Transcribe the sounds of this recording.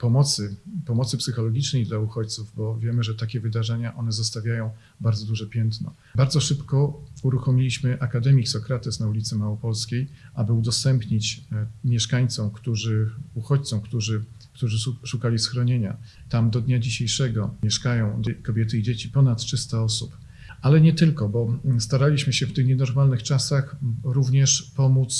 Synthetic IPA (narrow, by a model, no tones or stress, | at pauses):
pɔmɔt̪sɘpɔmɔt̪sɘpsɘxɔlɔɡʲit͡ʂnɛjd̪lauxɔt͡ɕt̪suvbɔvʲjɛmɘʐɛt̪akʲɛvɘd̪aʐɛɲaʔɔnɛzɔst̪avʲjajɔ̃w̃ | baɾd̪zɔd̪uʐɛpʲjɛnt̪nɔ̰ | baɾd̪zɔʂɘpkɔuɾuxɔmʲilʲiɕmɘʔakad̪ɛmʲiksɔkɾat̪ɛsnaulʲit̪sɛmawɔpɔlskʲejʔabɘud̪ɔst̪ɛmpɲit͡ɕmʲjɛʂkaɲt̪sɔwkt̪uʐɘuxɔt͡ɕt̪sɔ̃wkt̪uʐɘ | kt̪uʐɘʂukalʲisxɾɔɲeɲa̰ | t̪amd̪ɔd̪ɲad͡ʑiɕejʂɛɡɔmʲjɛʂkajɔ̃w̃d̪kɔbʲjɛt̪̬ɘid͡ʑet͡ɕipɔnat̪tʂɘst̪aɔsup | ʔalɛɲɛt̪ɘlkɔbɔst̪aɾalʲiɕmɘɕɛft̪ɘxɲɛnɔɾmalnɘxt͡ʂasaxɾuvɲɛʂpɔmut̪s